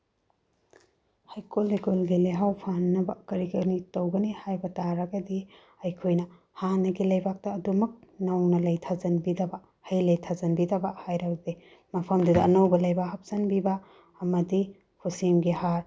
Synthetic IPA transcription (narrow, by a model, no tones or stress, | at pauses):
hajkolekolɡileɦawpʰanːɐbɐkɐɾikɐɾnitɐwɡɐnihajbɐtaɾɐɡɐdi | ɐjkʰojnɐ | hanɐɡilɐjbak̚tɐːdumɐk̚nɐwnɐlɐjtʰazɐnbidɐbɐ | hɐjlɐjtʰazɐnbidɐbɐhajɾɐɡde | mɐpʰɐmdudɐɐnɐwbɐlɐjbahɐp̚sɐnbibɐ | ɐmɐdi | hʰusimɡihaɾ